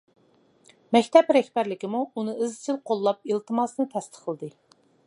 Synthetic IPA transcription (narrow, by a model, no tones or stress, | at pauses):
mɛkʲt̪ʰɛpɾɛhʲbæɾlɪkʲɪmuːnɨɨzt͡ʃʰɪlqʰolˠːɑp̚ilt̪ɨmɑsnɨt̪ʰɛst̪ʰə̥qʰːəlˠɨd̪ɨ